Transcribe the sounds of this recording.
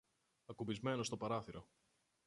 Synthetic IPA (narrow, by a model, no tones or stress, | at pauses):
ɐkubizme̞no̞st̪o̞pɐɾɐθiɾo